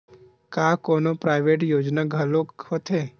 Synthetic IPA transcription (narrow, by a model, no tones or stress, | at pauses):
kaːkoːnopɾaːɪʋeːʈjoːd͡ʒnaɡʱəlokhot̪ʰeː